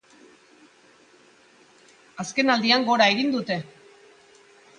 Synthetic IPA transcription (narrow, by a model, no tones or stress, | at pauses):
aske̞nald̪iaŋɡo̞ɾae̞ɣind̪ut̪e̞